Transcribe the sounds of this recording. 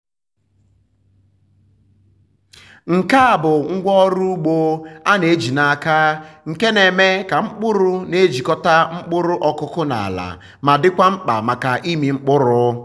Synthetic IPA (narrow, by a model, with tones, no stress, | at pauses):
ŋ̩˨ka˦a˨bʊ˨ŋ̩˦ɡʷɔ˦ɾu˦u˦ɡ͡bo˦a˦ne˨e˦d͡ʒi˨na˨a˨ka˦ŋ̩˨ke˦ne˨me˦ka˨ŋ͡m̩˦k͡pʊ˦ɾʊ˦ne˦d͡ʒi˨kɔ˦ta˦ŋ͡m̩˦k͡pʊ˦ɾʊ˦ʔɔ˦kʊ˦kʊ˦na̰˨a̰˨la̰˨ | ma˨dɪ˦kʷa˦ŋ͡m̩˦k͡pa̰˨ma˨ka˨ʔi˦mi˨ŋ͡m̩˦k͡pʊ˦ɾʊ˦